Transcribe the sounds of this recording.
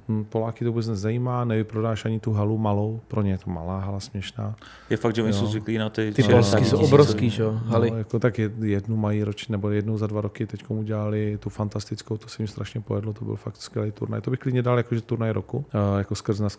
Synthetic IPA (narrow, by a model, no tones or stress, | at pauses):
n̩polaːkɪt̪oubɛt͡snɛzzajiːmaːnɛvɪpɾodaːʃʔaɲɪt̪uɦalumalowpɾoɲɛjɛt̪oma̰laːɦalasmɲɛʃnaː | jɛfaɡ̚dʒɛoɲsowzvɪkliːnat̪ɪɪolskɪsowʔobɾofsskiːʒɛoɦalɪjakot̪akjɛjɛdnumajiɾot͡ʃnɛbojɛdnowzadvaɾokɪt̪ɛckomuɟɛlalɪt̪ufant̪ast̪ɪt͡skowt̪osɛmimst̪ɾaʃɲɛpojɛdlot̪obɪ̰lfak̚t̪skvʲjɛlɛjt̪ṵɾna̰jt̪obɪxklɪdɲɛdaljakoʒɛt̪uɾnajɾokujakoskr̩znas